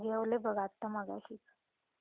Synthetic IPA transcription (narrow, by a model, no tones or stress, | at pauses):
ɡeʋlebʱəɡat̪ːəmaɡa̰ɕik